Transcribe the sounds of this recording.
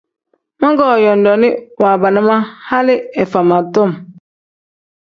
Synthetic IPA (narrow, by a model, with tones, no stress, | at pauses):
mɔ˦ŋɡɔ˦˨jɔ˨ndɔ˨ni˦wa˨ba˨na˦ma˦ha˦li˦ɛ˨fa˨ma˨tɔ˦˨m